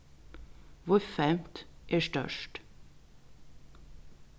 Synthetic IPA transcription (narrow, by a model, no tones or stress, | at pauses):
ʋʊɾfɛmt̪ʔeːʃʈœ̰ʃʈ